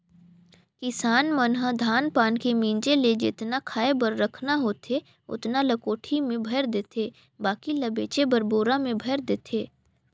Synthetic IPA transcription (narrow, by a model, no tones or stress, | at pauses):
kɪsaːnmənɦəd̪ʱaːnpaːnkemĩːnd͡ʒeled͡ʒɪ̰t̪nakʰaːebəɾːɐkʰnaɦoːt̪ʰe | ʊ̰t̪nalɐkoːʈʰimẽbʱɐɾd̪eːt̪ʰeː | baːkilɐbeːt͡ʃebɐɾboːɾamẽbʱɐɾd̪eːt̪ʰeː